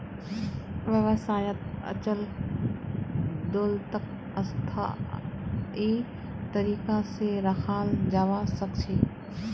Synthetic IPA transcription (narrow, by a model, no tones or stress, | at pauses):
ʋjəʋəsaːjət̪̚ɐ̰t͡ʃəl | d̪oːlt̪ək | ɐst̪ʰa̰ | iː | t̪ɐɾiːkaseɾaxʰaːld͡ʒaːʋasɐkt͡ʃʰeː